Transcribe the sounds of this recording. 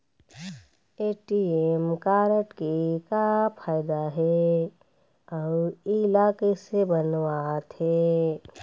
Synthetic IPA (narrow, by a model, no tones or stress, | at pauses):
eːʈiemkaːɾəʈkikapʰaːɪd̪aɦɛ | ɔɪlaːkesebənwat̪ɦɛ